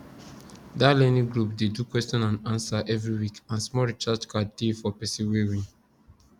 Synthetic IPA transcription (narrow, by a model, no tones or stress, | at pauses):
dalɛnĩɡɹupdedukwɛstɔ̃nãnãnsaʔɛvɹiwikãnsmɔɹit͡ʃad͡ʒkadefɔpɛsĩwewĩn